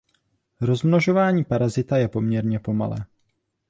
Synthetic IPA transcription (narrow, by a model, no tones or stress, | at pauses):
ɾo̞zmnoʒo̞vaːɲiːpaɾazɪt̪ajɛpo̞mɲɛɾɲɛpo̞ma̰lɛ̰ː